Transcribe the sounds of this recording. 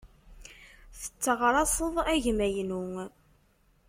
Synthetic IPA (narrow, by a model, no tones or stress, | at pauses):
θə̥t͡sːəʁɾˤɑsəðˤæʝmæjnuŋ